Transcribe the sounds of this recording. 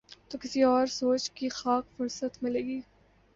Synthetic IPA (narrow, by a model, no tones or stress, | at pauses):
t̪oːkɪsiɔːɾsoːt͡ʃkixaːkfʊɾsət̪mɪleːɡiː